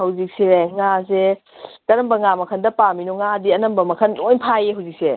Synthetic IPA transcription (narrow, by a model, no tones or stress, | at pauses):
hɐwzik̚seaŋas̬e | tɐɾɐmbɐŋamɐkʰɐndɐpaminoŋadiɐnɐmbɐmɐkʰɐnojnpʰajeɦɐwzik̚se